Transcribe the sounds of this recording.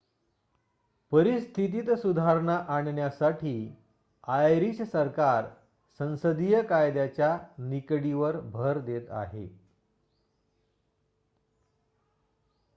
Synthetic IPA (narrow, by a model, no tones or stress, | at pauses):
pəɾist̪ʰit̪̬iːt̪sud̪ʱaɾɳaʔaɳɳjasaʈʰiː | ajɾissəɾkaɾ | sə̃ñsəd̪ijəkajd̪jat͡ɕjanikɽiʋəɾbʱəɾd̪et̪a̰ɦḛ